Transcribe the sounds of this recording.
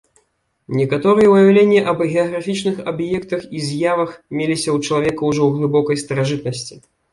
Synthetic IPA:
nʲɛkat̪ɔɾɨjɛwjawlʲenʲːɛʔɐbɣʲɛɐɣɾafʲit͡ʂnɨxabjɛkt̪ɐxizʲjavɐxmʲelʲisʲɐwt͡ʂɐlˠavʲɛkɐwʐɔwɣlˠɨbɔkɐjst̪ɐɾaʐɨt̪nɐsʲt͡sʲi

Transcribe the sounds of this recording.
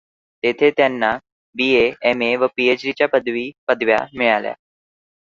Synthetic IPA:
t̪et̪ʰet̪janːa | biːeɛmeʋəpiːet͡ɕɖit͡ɕjapəd̪ʋiːpəd̪ʋja̰mɪɭalja̰

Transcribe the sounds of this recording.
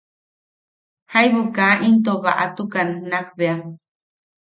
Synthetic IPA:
hajβukaʔint̪̬oβa̰ʔa̰t̪ukanːakbea

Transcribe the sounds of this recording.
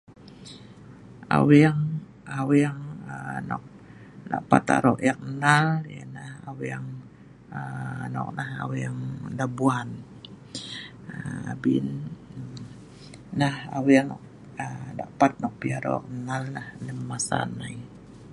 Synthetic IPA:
a̰wijaŋ | awijaŋənɔ̰k̚ | da̰ʔpa̰t̪a̰ɾɔʔjak̚nalja̰nahawijaŋ | ənɔ̰k̚naha̰wijaŋdabuan | abin | aha̰wijaŋk | əda̰ʔpat̪̚nɔk̚piaɾo̰a̰knalnahləmːasa̰nai

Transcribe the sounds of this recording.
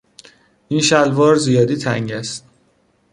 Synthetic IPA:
ʔinʃælvɒːɾzijɒːd̪iːt̪ʰæŋɟæst̪

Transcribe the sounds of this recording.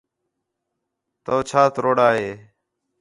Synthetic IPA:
t̪oːt͡ʃʰaːt̪ɾoːɽaːɦeː

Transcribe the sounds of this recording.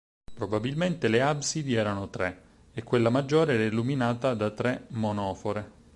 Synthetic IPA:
pɾobabilment̪eleabsid̪iɛːɾanot̪ɾe | ekːwelːamad͡ʒːoːɾeɛɾiluminaːt̪ad̪at̪ɾemonɔːfoɾe

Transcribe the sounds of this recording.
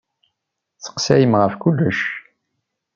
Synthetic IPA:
t͡sə̥qsæjəmʁəfkulːəʃ

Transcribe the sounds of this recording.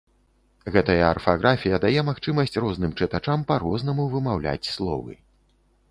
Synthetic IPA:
ɣɛt̪ɐjɐːrfaɣɾʔafʲijɐd̪ajɛmaxt͡ʂɨmɐsʲt͡sʲrɔzn̪ɨmt͡ʂɨt̪at͡ʂampaɾɔznɐmuvɨmawlʲa̰t͡sʲslˠɔ̰vɨ̰

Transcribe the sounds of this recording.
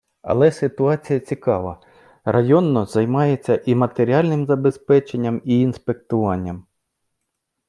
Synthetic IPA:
ɐ̰lˠɛsɪt̪ʊɑt͡sʲijɐt͡sʲikɑʋɐ | rɐjɔnːɔzɐjmɑjet͡sʲːɐʔimɐt̪eɾʲialʲnɪmzɐbe̞spɛt͡ʃe̞nʲːɐmiːnspe̞k̚t̪ʊʋɑnʲːɐm

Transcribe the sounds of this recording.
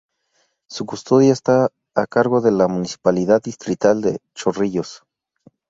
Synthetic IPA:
sukust̪oðjaest̪aː | kaɾɣo̞ðelamunisi̥paliðaðist̪ɾit̪ald̪ḛt͡ʃoriʝos

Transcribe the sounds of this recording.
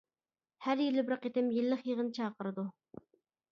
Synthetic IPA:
hæɾjilɪbɾɨqet̪ɪmjilːəχjəʁənɨt͡ʃʰɑːqəɾɨd̪u

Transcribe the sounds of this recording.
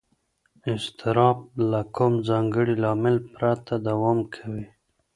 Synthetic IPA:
ɪst̪ʰɪɾɑb̚lakʰʊmzɑŋɡəɽilɑmɪlpɾat̪ad̪awɑmkʰawi

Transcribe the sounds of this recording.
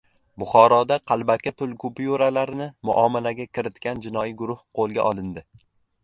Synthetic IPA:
bʊχɒɾɒd̪aqʰɑlˠbakʲapʰʊlˠkʰʊpjuɾalaɾnɪmʊ̰ʔɒmalaɡʲakʲʰɪɾɪt̪kʲand͡ʒɪnɒjiɡʊɾʊhqʰolˠɡʲa̰ʔɒlˠɪnd̪ɪ

